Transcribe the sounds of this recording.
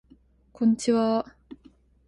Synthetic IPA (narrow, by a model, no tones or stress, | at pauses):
kʰont͡ɕiwa